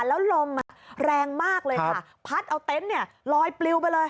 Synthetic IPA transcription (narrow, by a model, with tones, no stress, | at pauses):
lɛː˦˥wlo˧mːa˧˩ɾɛː˧ŋmaː˥˩k̚lɤː˧jkʰa˥˩ | pʰa˦˥t̪̚ʔa˧wt̪e˦˥nːi˥˩ɐ | lɔː˧jpli˧wp̬a˧jlɤː˧j